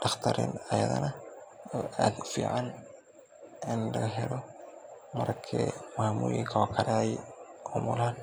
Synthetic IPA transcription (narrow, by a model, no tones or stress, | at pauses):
ɖɑχt̪ʰɐɾɪ̰nɐjɐ̰ðɐ̰nɐ | ad̪fiːʕan | ɪnlɐɦɛlɔ | mɐrkʰɛːmʊhamuːjɪŋkʰɐɔkʰɐɾajʊmʊlaːn